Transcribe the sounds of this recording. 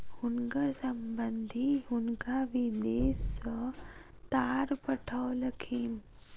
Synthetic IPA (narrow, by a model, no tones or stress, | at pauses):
hʊnɡəɾsɐmbənd̪ʱiɦʊnkaʋid̪eːs | t̪aːɾpɐʈʰaolɐkʰiːm